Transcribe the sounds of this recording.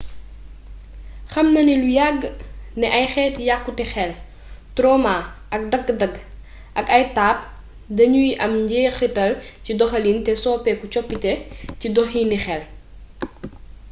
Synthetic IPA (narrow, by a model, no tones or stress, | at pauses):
xɐmnɐnilujaɡːnɛʔɐjxɛːtjakːutɛxɛl | tɾɔmaʔɐk̚dɐɡːdɐɡ | ʔɐkɐjtaːp̚ | dɐɲujʔɐmɟɛːxitɐlcidɔxɐlintɛsɔːpɛkut͡ʃɔpːitɛcidɔxiːnixɛl